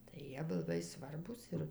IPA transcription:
tɐɪ ˈjiɛ ˈbʊw lˠɐˈbɐɪ ˈsʋɐrbuːs ˈɪr

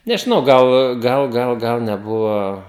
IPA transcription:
nʲɛʒʲɪˈnɐʊ ˈɡɐlˠ ˈɡɐlˠ ˈɡɐlˠ ɡɐlˠ nʲɛˈbʊʋoː

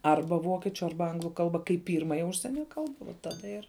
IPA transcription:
ˈɐrbɐ ˈʋoːkʲiɛt͡ʃʲʊ ˈɐrbɐ ˈɐŋɡlˠʊ ˈkɐlˠbɐ kɐɪp ˈpʲiːrmɐjɛ ˈʊʃʲsʲiɛnʲɛ ˈkɐlˠbɐ ʋɐ ˈtɑːdɐ ɪr

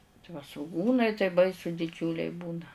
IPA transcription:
tɐɪ ʋɐ sʋʊˈɡuːnɐɪ tɐɪ ˈbɐɪsʊ dʲɪˈd͡ʒʲuːlʲɛɪ ˈbuːnɐ

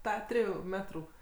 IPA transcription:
ˈtɑː ˈtʲrʲɪjuː ˈmʲæːtruː

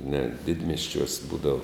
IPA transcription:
nʲɛt ˈdʲɪdʲmʲiɛsʲt͡ʃʲuɔs ˈbuːdɐw

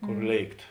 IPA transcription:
ˈkoːr ˈlʲeːɪkt

